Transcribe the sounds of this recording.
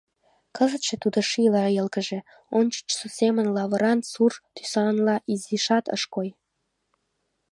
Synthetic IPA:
kəzət̪ʃĕt̪ud̪oʃilɑjə̆lkəʒĕ | ont͡ɕə̥t͡ɕsusemənlɑβəɾɑnsurt̪y̥sɑnlɑʔiziʃɑt̪ə̰ʃkoj

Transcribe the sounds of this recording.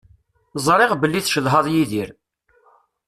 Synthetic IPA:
zˤɾˤɪʁbəlːiθʃəðɦɑðˤjiðiɾ

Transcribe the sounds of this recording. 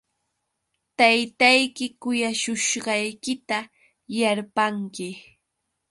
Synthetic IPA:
t̪ajt̪ajkɪkʊjaʃʊʃɢɑjkɪt̪a | jaɾpaŋkɪ

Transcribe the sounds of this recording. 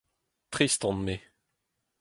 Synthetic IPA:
t̪χist̪ɔ̃nme

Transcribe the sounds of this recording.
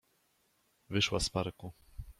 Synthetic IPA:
vɘʂwaspaɾku

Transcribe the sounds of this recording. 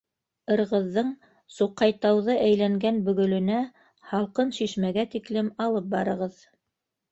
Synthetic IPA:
ɤ̆ɾʁɤ̆ðːɤɴ | suqːɑjt̪ɑwðɤʔæjlæŋɡænbɵ̆ɡɵ̆lɵ̆næ | hɑlˠqɤnʃiʃmæɡæt̪iklɘmɑlˠɤp̚bɑɾɤ̆ʁɤð

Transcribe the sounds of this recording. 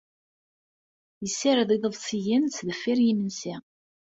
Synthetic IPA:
jəsːaɾðiðˤəðˤsijənt͡sːðəfːiɾjimənsi

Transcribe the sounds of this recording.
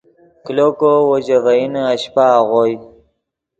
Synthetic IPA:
klokowod͡ʑavainaɕpaɣoj

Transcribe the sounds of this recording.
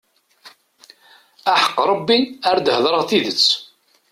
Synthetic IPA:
aħə̥qːɾˤɑbːiaɾd̪həðˤɾəʁθiðət͡sː

